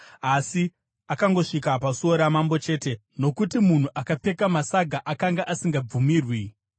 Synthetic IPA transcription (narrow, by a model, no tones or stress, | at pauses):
asi | akaŋɡo̞ʂikapasoɾamambo̞t͡ʃe̞ːte̞ | no̞kutimun̤uʔakap͡fe̞kamasaɡʱaʔakaŋɡaʔasiŋɡab͡vumiːrwi